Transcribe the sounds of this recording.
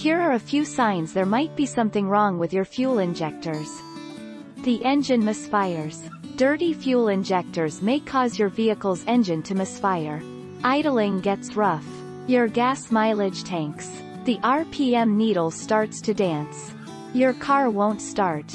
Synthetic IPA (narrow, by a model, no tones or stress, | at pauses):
hiɹə˞ɨfjʉsãɪ̃nzðə˞maɪt̚b̥isʌ̃mθɪ̃ŋɹɔ̃ŋwɨðjə˞fjʉlˠɪ̃nd͡ʒɛk̚tə˞z̥ | ðiʔɛ̃nd͡ʒɨ̃nmɨsfaɪə˞z̥ | d̥ɜ˞ɾifjulˠɨ̃nd͡ʒɛk̚tə˞zmeɪkʰɔzjə˞viɨkl̩ˠzɛ̃nd͡ʒɨ̃ntʰɨmɨsfaɪə˞ | ʔaɪɾl̩ˠɪ̃ŋɡɛtsɹʌf | jə˞ɡæsmaɪlˠɪd̥ʒ̥tʰæ̃ŋks | ðiʔɑɹpʰiɛ̃mniɾl̩ˠstɑɹtstʰɨdæ̃ns | jə˞kʰɑɹwõʊ̃ntstɑɹt